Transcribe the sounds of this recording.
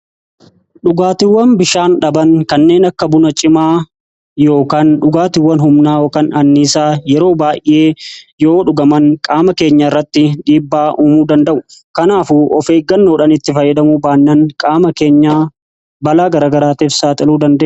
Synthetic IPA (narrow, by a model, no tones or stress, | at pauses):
ᶑʊɡaːt̪ɪwːɐnbɪʃaːnᶑɐbɐŋkɐnːe̞ːnɐkːɐbʊnɐt͡ʃʼɪmaː | jo̞ːkaːnᶑʊɡaːt̪ɪwːɐnɦʊmnaːoːkɐnɐnːiːsaːjɛɾo̞ːbaːjʔe̞ːjo̞ːᶑʊɡɐmɐŋkʼaːmɐke̞ːɲːaɪrːɐt̪ːɪᶑiːbːaːʔuːmuːd̪ɐnd̪ɐʔʊkɐnaːfʊɔfeːɡːɐnːoːᶑɐnɪt̪ːɪfɐjːɐd̪ɐmubaːnːɐŋkʼaːmɐke̞ːɲːaː | bɐlaːɡɐɾaːɡɐɾaːt̪iːfsaːt̪ʼɪluːd̪ɐnd̪eː